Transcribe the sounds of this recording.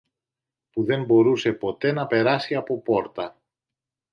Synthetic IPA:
puðe̞mbo̞ɾuse̞po̞t̪e̞nɐpe̞ɾɐsiɐpo̞po̞ɾt̪ɐ

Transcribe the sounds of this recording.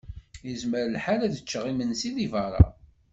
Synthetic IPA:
jəzməɾəlħaɾæðət͡ʃːəʁimənsiðivəɾˤɑ̰

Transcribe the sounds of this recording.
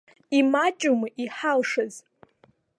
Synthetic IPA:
imat͡ʃʼumɨʔiħalʂɨz

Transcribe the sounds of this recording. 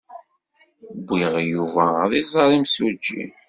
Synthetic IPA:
bʷːiʁjuvæðˤizˤɑɾˤimsud͡ʒːḭ

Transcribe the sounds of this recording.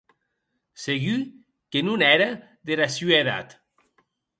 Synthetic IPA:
seɣy | kenunɛɾa | ðeɾasyeða̰t̪

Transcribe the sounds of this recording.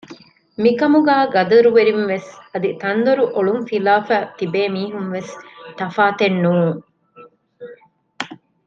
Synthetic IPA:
mikɐmuɡæːɡɐd̪ɐɾuʋeɾinʋesɐd̪it̪ɐnd̪ɐɾuʔoɭumfilaːfæːt̪ibeːmiːɦunʋest̪ɐfaːt̪enːuːŋ

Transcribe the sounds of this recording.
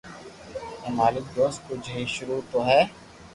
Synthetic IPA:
ɛmaːlɪk̚d̪oːst̪kʊd͡ʒʱɦiʃʊɾuːt̪oɦɛː

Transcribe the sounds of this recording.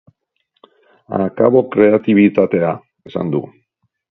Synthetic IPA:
a̰kaβo̞kɾe̞at̪iβit̪at̪e̞a | esa̰nd̪u

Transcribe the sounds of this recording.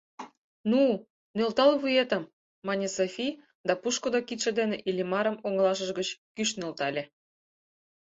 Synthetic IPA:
nu | nølt̪ɑlβujet̪ə̆mː | ɑnʲesofʲij | d̪ɑpuʃkod̪ɑkit̪ʃĕd̪eneʔilʲimɑɾə̆moŋlˠɑʃ̬ə̆ʒɡət͡ɕkyʃnølt̪ɑlʲĕ

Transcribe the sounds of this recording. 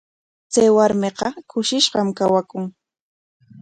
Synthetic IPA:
t͡sajwaɾmeqɑkʊʃɪʃɢɑmkawakʊŋ

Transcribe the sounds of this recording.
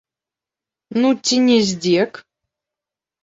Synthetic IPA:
nutʲinʲɪzʲdʲek

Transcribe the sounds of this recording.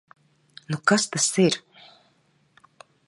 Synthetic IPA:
nukast̪asiɾ

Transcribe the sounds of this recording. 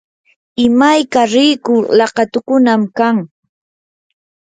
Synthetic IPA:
ɪmajkaɾɪjkʊlɑqɑt̪ʊkʊnamkaŋ

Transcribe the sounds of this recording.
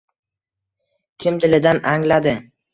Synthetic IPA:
kʲʰɪmt̪ʰɪlɪd̪anaŋlad̪ɪ

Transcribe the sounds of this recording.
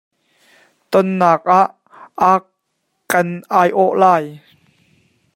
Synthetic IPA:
t̪ɔnːaːk̚ʔaʔ | a | kɐnʔaːjʔɔʔlaːj

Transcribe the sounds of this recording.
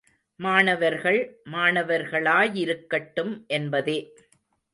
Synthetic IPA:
maːnɐʋɐɾɣɐɭmaːnɐʋɐɾɣɐɭaːjɪɾɯkːɐʈːɯmʔɛnbɐðeː

